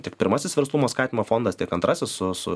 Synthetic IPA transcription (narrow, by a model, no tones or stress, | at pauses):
t̪ʲɪkpʲɪɾmɐsʲɪsʋʲɛɾslˠumoːskɑːt̪ʲɪmoːfoːnd̪ɐst̪ʲɪɛkɐnt̪ɾɑsʲɪssʊsʊ